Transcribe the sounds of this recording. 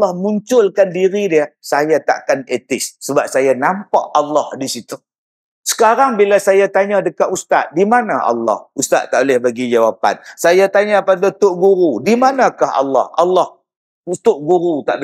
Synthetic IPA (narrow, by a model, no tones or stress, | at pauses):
lɔhmuɲt͡ʃʊlkandiɾidiəsajat̪a̰ʔkanet̪ɪsːəbap̚sajanampaʔalːɑhdisit̪u | sə̥kaɾaŋbilasajat̪aɲadəkat̪ust̪a̰t̪̚dimanaʔa̰lːɑ̰hust̪a̰t̪ːaʔolɪhbaɡid͡ʒawapa̰nsajat̪aɲapadat̪ʊʔɡuɾudimanakaha̰lːɑ̰halːɑh | t̪ʊʔɡuɾut̪aʔ